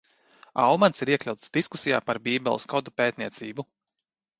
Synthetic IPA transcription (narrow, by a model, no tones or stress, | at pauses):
awmansiɾiɛklʲawt̪sd̪̥iskusija̰ːpaɾbiːbɛlˠskɔd̪upeːt̪̚niɛt̪siːbu